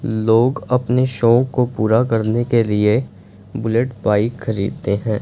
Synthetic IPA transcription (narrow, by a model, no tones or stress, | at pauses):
loːɡɐpneʃɔːkopuːɾakɐɾnekelie | bʊleʈpaːɪxɐɾḭːd̪̚t̪eɦɛ̃ː